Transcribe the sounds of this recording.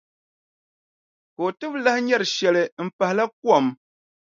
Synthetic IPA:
ko˨tɨ˦p̚lɛ˦hɲɛ˦˨ɾʃjɛ˨lɛ˨m̩˨pɛ˨hlɛ˦k̚wɔ˦˨m

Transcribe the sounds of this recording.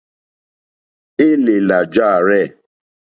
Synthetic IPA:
e˦le˨la˨d͡ʒa˦a˨ɾɛ˦˨

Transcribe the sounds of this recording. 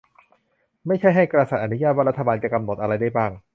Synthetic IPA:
ma˥˩jt͡ɕʰa˥˩jɦa˥˩jkɾa˧sa˨˩t̪̚ʔa˧nu˦jaː˥˩t̪wa˥˩ɾt̪ʰːa˧baː˧nt͡ɕa˨˩ka˧mno˨˩t̪̚ʔa˧ɾa˧jdaː˥˩jbaː˥˩ŋ

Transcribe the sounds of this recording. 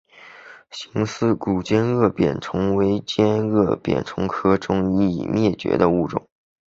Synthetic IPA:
ɕi˧˥ŋsɹ̩˥˩ku˨˩t͡ɕjɛ˥nɤ˥˩pjɛ̰˨˩nʈ͡ʂʰɤ˧˥ŋwe˧˥ɪt͡ɕjɛ˥nɤ˥˩pjɛ̰˨˩nʈ͡ʂʰʊ˧˥ŋkʰɤ˥ʈ͡ʂʊ˥ŋi˥˩mjɛ˥˩t͡ɕɥɛ̰˧˥d̪ə˧u˥˩ʈ͡ʂʊ̰˨˩˦ŋ

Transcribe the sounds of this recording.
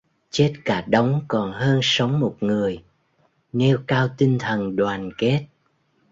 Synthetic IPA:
t͡ɕe˦˥t̚kaː˧˩ɗə˨˦wŋ͡mkɔ˨˩nɦəː˧nsə˨˦wŋ͡mmo˨˩t̚ŋɨ˨˩əj | ne˧wkaː˧wt̪i˧ŋ̟t̪ʰə˨˩nɗwaː˨˩nke˦˥t̚

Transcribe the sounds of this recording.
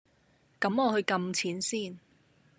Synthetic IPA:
kɐ˨˥mɔː˨˧hɵ˧ɥkɐ˧mt͡sʰiː˨˥nsiː˥˩n

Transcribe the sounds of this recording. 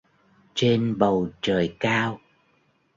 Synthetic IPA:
t͡ɕe˧nɓə˨˩wt͡ɕəː˨˩jkaː˧w

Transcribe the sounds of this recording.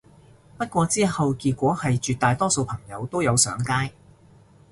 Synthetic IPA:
pɐ˥t̚kʷɔː˧t͡siː˥hɐ˨wkiː˧t̚kʷɔː˨˥hɐ˨jt͡ʃyː˨t̪̚aː˨jt̪ɔː˥so˧wpʰɐ˨˩ŋjɐ˨˧wt̪o˥wjɐ˨˧wsœ̰ː˨˥ŋkaː˥j

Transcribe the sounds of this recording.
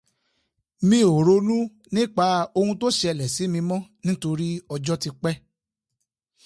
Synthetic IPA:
mĩ˧˦o˨ɾo˨˧lũ˦ | nĩ˦k͡pa˨˦o˧hũ˧to˦ʃɛ˧˨lɛ˨si˨˦mĩ˧mɔ̃˦nĩ˦to˧ɾi˦ɔ˧d͡ʒɔ˦ti˧k͡pɛ˦

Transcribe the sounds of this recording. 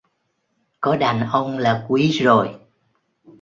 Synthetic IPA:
kɔ˨˦ɗa˨˩nʔə˧wŋ͡mlaː˨˩kwi˨˦zo˨˩j

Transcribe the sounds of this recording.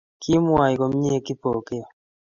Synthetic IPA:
kʰi˦mwa˨i˨ko˨m˦ɲe˦˨ki˦po˨ke˦˨

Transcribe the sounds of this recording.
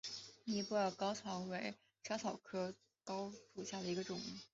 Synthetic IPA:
ni˧˥pɔ˥˩jɑ˥˩kɑ˥ʊt͡sʰɑ˧˥ŋwe˧˥ɪ | t͡ɕʰjt͡sʰɑ˨˩ʊkʰɤ˥ | kɑ˥ʊʂu˨˩ɕja˥˩d̪ə˩i˧˥ɡə˧ʈ͡ʂʊ˨˩˦ŋ

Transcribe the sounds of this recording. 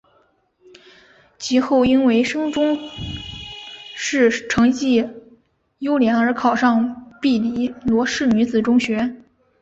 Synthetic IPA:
t͡ɕʰi˧˥xo˥˩ʊi˥nwe˧˥ɪʂɤ˥ŋʈ͡ʂʊ˥ŋ | ʂɻ̩˥˩ʈ͡ʂʰɤ˧˥ŋt͡ɕi˥˩ | jo˥ʊljɛ˧˥ŋə˞˧˥kʰɑ˨˩ʊʂɑ˥˧ŋpi˥˩li˧˥lwɔ˧˥ʂɻ̩˥˩ny˧˥d͡zɹ̩˨˩ʈ͡ʂʊ˥ŋɕɥɛ˧˥

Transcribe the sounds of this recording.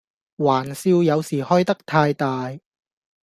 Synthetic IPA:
waː˨˩nsiː˧wjɐ˨˧wsiː˨˩hɔː˥jt̪ɐ˥k̚t̪ʰaː˧jt̪aː˨˧j

